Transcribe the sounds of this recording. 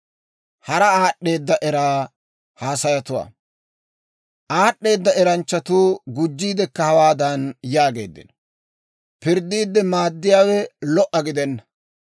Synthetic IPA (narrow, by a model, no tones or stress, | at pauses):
hɐɾɐaːɗːe̞ːd̪ːɐʔɛɾaː | haːsɐjɐt̪ʊwa̰ː | ʔaːɗːe̞ːd̪ːɐɛɾɐnt͡ʃːɐt̪uːɡʊd͡ʒːiːd̪ɛkːɐhɐwaːd̪ɐnjaːɡe̞̰ːd̪ːɪ̰n | pɪɾd̪ːiːd̪ːɛmaːd̪ːɪjaːwɛlɔʔɐɡɪd̪ɛnːɐ̥